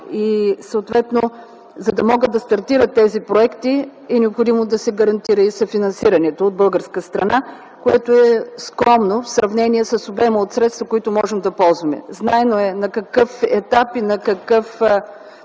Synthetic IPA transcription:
isəot̪vɛt̪no | zɐd̪ɐmɔɡəd̪d̪ɐst̪ɐɾt̪iɾət̪ːɛzipɾoɛkt̪iɛnɛopxod̪imod̪ɐsɛɡɐɾɐnt̪iɾəisɐfinɐnsiɾɐnɛt̪oːd̪̚bɤlˠɡəɾskəst̪ɾɐna | koɛ̰t̪oɛskɾɔmnofsɾɐvnɛniɛsəsobɛməot̪sɾɛt̪st̪vəkoit̪ʊmɔʒɛmd̪ɐpɔlˠzvɐmɛ̰znaɛnoɛnɐkɐkɤfɛ̰t̪apinɐkɐkɤf

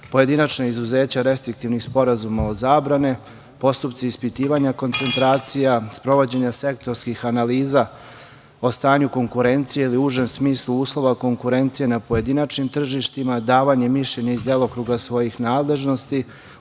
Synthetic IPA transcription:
po̞je̞d̪inat͡ʃnaizuze̞ːt͡ɕaɾe̞st̪ɾik̚t̪iʋnixspo̞ɾazumao̞zaːbɾane | po̞st̪up̚t̪siispit̪iːʋaɲako̞nt̪se̞nt̪ɾaːt̪sijaspɾo̞ʋo̞d͡ʑe̞ɲase̞kt̪o̞ɾskixanaliːza | ost̪aːɲuko̞ŋkuɾe̞nt̪sije̞iliuʒe̞msmiːslˠuuːslˠo̞ʋako̞ŋkuɾe̞nt̪sije̞napo̞je̞d̪inat͡ʃnimt̪r̩ʒiʃt̪imad̪aːʋaɲemiʃʎe̞ɲaizd̪elˠokɾuɡasʋo̞jixnaːd̪le̞ʒno̞st̪i

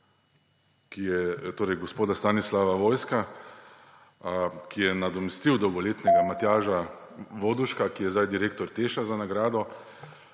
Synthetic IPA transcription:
kijɛt̪oːɾɛjɡɔspoːd̪ast̪aːnislaʋaʋoːjska | kijɛnad̪ɔmɛst̪iwd̪ɔwɡɔleːt̪nɛɡamat̪jaːʒaʋoːd̪uʃkakijɛzd̪ajd̪iɾeːk̚t̪ɔɾt̪eːʃazanaɡɾaːd̪ɔ

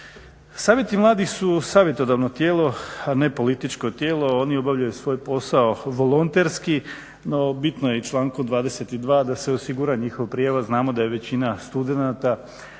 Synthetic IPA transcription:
saːʋje̞t̪imlˠaːd̪ixsusaːʋje̞t̪o̞d̪aʋnot̪jeːlo̞ane̞po̞lit̪it͡ʃko̞t̪jeːlˠo̞o̞nio̞baʋʎajusʋo̞ːjpo̞saoʋo̞lˠont̪eɾski | no̞bit̪no̞jeit͡ʃlˠaːŋkod̪ʋaːd̪eset̪id̪ʋaːd̪aseosiɡuɾaɲixoʋapɾijaʋaznaːmo̞d̪ajeʋe̞t͡ɕinast̪ud̪e̞nat̪a

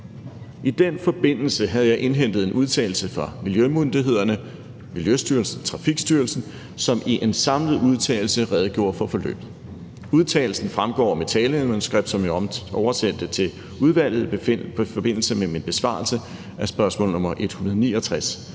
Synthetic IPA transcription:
ʔid̥enfɒ̽b̥e̝n̰l̩səɦæðˠjɑ̈ɪʔe̝nɦen̰d̥ð̞̩ˠe̝nʔuð̞ˠt͡sʰɛ̰ːɪl̩səfʁɑ̈miljømund̥iɦe̝ð̞̰ˠɐnə | miljøsd̥yɐlsn̩t͡sʰʁɑ̈fiɡ̥sd̥yːɐlsn̩ | sɒ̽mʔiʔe̝nsɑ̈mləð̩ˠuð̞ˠt͡sʰɛ̰ːl̩səʁɛð̞ˠɡ̥jo̝̰ːɐfɒ̽fɒ̽lø̰ːb̥ð̩ˠ | uð̞ˠt͡sʰɛ̰ːl̩sn̩fʁamɡ̥ɒ̰ːme̝t͡sʰɛːləemonsɡ̥ʁɛb̥̚d̥sɒ̽mjɑɒʊɐsen̰d̥ət͡sʰe̝l | uð̞ˠʋæl̰ð̞̩ˠfɒ̽b̥e̝n̰l̩səmeminb̥e̝sʋɑ̰̈ːlsə | ʔæsb̥ɶɐsmɔ̰̽ːl̩ˠnɔ̽mɐʔe̝d̥hunɐð̞ˠnḭːɒ̽t͡sʰʁas

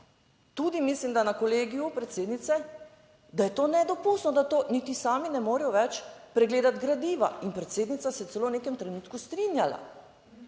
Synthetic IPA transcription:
t̪ud̪imislimd̪anakɔleːɡijupɾɛt̪seːd̪nit̪sɛ | d̪ajɛt̪oːnɛd̪ɔpust̪nɔd̪at̪oːnit̪isaːminɛmoːɾɛjɔʋɛt͡ʃpɾɛɡleːd̪at̪ɡɾad̪iːʋa̰inpɾɛt̪seːd̪nit̪sasɛt̪sɛloːnekɛmt̪ɾɛnuːt̪kust̪ɾinjala̰

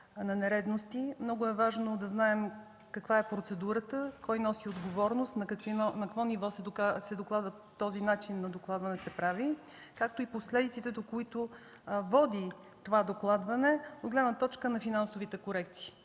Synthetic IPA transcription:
nɐnɛɾɛd̪nost̪imnɔɡʊɛvaʒnod̪ɐznaɛm | kɐkvaɛpɾot̪sɛd̪uɾət̪əkɔjnɔsiod̪ɡovɔɾnost̪nɐkɐkvinɔnɐkkvɔnivɔsɛd̪okasɛd̪oklˠad̪və | t̪ːɔzinat͡ʃinːɐd̪oklˠad̪vɐnɛsɛpɾavi | kak̚t̪oiposlɛd̪it̪sit̪ɛd̪okoit̪o | vɔd̪i | t̪ovad̪oklˠad̪vɐnɛod̪ɡlɛd̪nət̪ɔt͡ʃkənɐfinansovit̪ɛkoɾɛk̚t̪si̥ː

